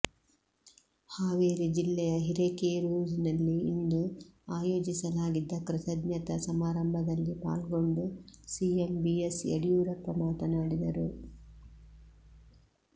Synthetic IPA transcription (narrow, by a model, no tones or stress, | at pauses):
haːʋeːɾid͡ʒilːɛjɐɦiɾeːkeːɾuːd͡ʒinɐlːiḭnd̪uaːjo̞ːd͡ʒisɐlaːɡid̪ːɐkɾɪt̪ɐd̪nɲjɐt̪ɐsɐmaːɾɐmbʱɐd̪ɐlːipa̰ːlɡo̞ɳɖusiembiesḛɽijuːɾɐpɾɐmaːt̪ɐnaːɽid̪ɐɾu